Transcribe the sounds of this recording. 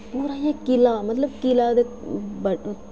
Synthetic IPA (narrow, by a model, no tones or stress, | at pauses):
puːɾãːjãːkɪlaːmɐt̪ləb̚kɪlaːd̪e | bə